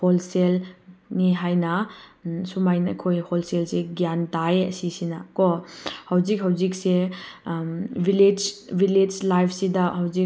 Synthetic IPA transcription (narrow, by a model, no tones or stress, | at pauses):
holselniɦajnɐ | sumajnɐkʰojholselseɡjantajɐ̰sisinɐkɔhawzik̚ɦawzik̚se | bʱiled͡ʒbʱiled͡ʒlajpʰsidɐhawzi